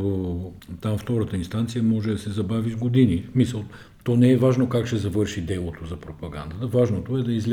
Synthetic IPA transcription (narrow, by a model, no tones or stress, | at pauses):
t̪amft̪ɔɾət̪əinst̪ant̪sijəmɔʒɛd̪ɐsɛzɐbavizɡod̪inismisəlˠ | t̪ɔnɛɛvaʒnokakʃt̪ɛzɐvɤɾʃid̪ɛlˠot̪ozɐpɾopɐɡa̰nd̪ɐt̪əvaʒnot̪oɛd̪ɐizl